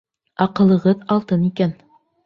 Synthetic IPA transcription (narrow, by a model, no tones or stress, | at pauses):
ɑqɤ̆lˠɤ̆ʁɤðɑlˠt̪ɤnikæn